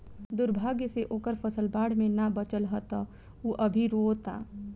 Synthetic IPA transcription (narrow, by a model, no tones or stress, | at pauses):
d̪ʊɾbʱaːɡjəseʔoːkəɾpʰəsəlbaːɽmẽnabət͡ʃəlɦət̪a | uʔɐbʱiɾoːt̪a̰ː